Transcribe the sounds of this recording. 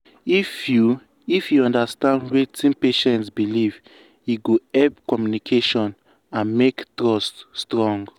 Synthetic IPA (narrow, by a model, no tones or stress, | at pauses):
ifju | ifjuɔ̃ndastãndwetĩnpeʃɛ̃ntsbiliv | juɡoɛpkɔmjunikʰeʃɔ̃n | ãnmektɹɔstːtɹɔ̃ŋɡ